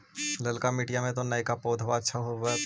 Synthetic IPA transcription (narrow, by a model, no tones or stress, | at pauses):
lɐlkamiːʈijamẽt̪̬onaikapoːd̪ʱʋaətːʃʰaɦoʋa